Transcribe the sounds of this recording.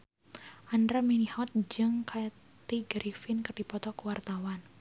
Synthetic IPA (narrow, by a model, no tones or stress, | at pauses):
ʔandɾaminihɔt̪̚d͡ʒɨŋkʰa | t̪iɡɾifɪnkərdipɔt̪ɔkəwart̪awan